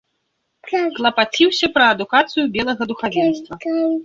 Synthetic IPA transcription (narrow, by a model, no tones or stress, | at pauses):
klˠɐpat͡sʲiwsʲɐpɾɐːd̪ukat̪sɨjubʲɛlˠɐɣɐd̪uxavʲɛnst̪vɐ